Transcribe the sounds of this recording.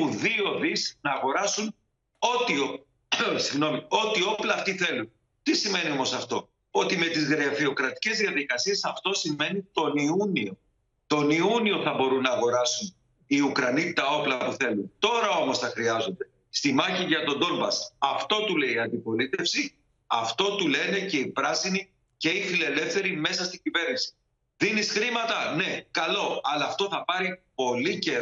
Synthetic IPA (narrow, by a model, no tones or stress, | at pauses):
uðio̞ðisnɐːɣo̞ɾɐsun | o̞t̪io | siɣno̞mio̞t̪io̞plɐːft̪iθe̞lun | t̪isime̞nio̞mo̞sɐft̪o̞ | o̞t̪ime̞t̪izɣɾɐfio̞kɾɐt̪i̥ce̞zðiɐðikɐsie̞sɐft̪o̞sime̞nit̪o̞niunio̞ | t̪o̞niunio̞θɐbo̞ɾunːɐːɣo̞ɾɐsun | iukɾɐnit̪ɐo̞plɐpuθe̞lunt̪o̞ɾɐo̞mo̞sθɐxɾiɐzo̞nd̪e̞ | st̪imɐçiʝɐt̪o̞d̪o̞lbɐsɐft̪o̞t̪ule̞iɐnd̪ipo̞lit̪e̞fsi | ɐ̰ft̪o̞t̪ule̞ne̞ce̞ipɾɐsini | ce̞ifile̞le̞fθe̞ɾime̞sɐst̪iɟive̞ɾninsi̥ | ðinisxɾimɐt̪ɐne̞kɐlo̞ɐlɐːft̪o̞θɐpɐɾipo̞lice̞ɾ